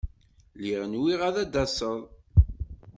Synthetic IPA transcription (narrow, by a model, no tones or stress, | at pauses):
liʁənwiʁæðæd̪ɑsˤəðˤ